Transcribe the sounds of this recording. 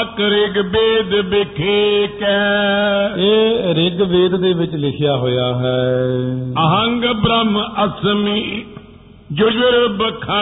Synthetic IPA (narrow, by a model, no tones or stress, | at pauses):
kɾɪɡbeːd̪bɪkʰeːkɛː | eːɾɪɡbeːd̪d̪eːʋɪt͡ʃlɪkʰɪjaːɦoːjaːɦɛː | əɦəŋɡbɾəməsmi | d͡ʒʊd͡ʒʋəɾbəkʰa